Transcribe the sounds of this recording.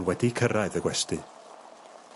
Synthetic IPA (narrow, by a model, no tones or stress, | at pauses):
nwɛdikʰəɾaɨðəɡwɛstɨ